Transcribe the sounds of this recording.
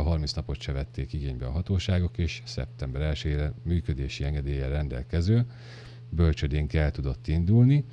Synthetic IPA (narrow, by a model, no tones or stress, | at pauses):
ɒɦɒrminsnɒpo̞t̪ʃɛvɛt̪ːeːkiɡeːɲbɛɒɦɒt̪oːʃaːɡo̞keːʃsɛ̰p̚t̪ɛmbɛɾɛlʃøeːɾɛmyːkø̞d̪eːʃiɛŋɡɛd̪eːjɛrɛnd̪ɛ̰lkɛzøː | bø̞lt͡ʃød̪eːŋkɛlt̪ud̪o̞t̪ːind̪ulni